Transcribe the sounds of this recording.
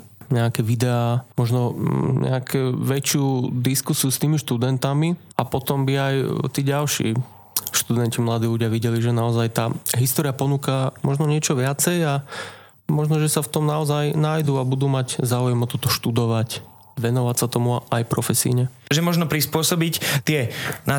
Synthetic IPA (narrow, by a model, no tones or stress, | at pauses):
ɲɛakɛʋid̪ɛaːmɔʒnɔɲɛ̰akʰɛʋɛt͡ʃɪud̪iskusiust̪iːmiʃt̪ud̪ɛnt̪ami | apɔt̪ɔmbiajt̪iːɟalʃḭː | ʃt̪ud̪ɛncimlad̪iːluɟɪaʋiɟɛliʒɛnaɔzajt̪aːɦist̪ɔːɾiapɔnuːkamɔʒnɔɲɪɛt͡ʃɔʋɪat͡sɛja | mɔʒnɔʒɛsaft̪ɔmnaɔzajnaːjd̪uabud̪uːmaɟzaːujɛmɔt̪ɔt̪ɔʃt̪ud̪ɔʋac | ʋɛnɔʋasat̪ɔmuaʔajpɾɔfɛsḭːɲɛʒɛmɔʒnɔpɾispʊɔsɔbict̪ɪɛna